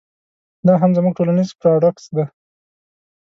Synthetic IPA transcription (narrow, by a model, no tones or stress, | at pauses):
d̪ɑɦamzəmuɡ̚ʈolanizpɾaɖaksd̪a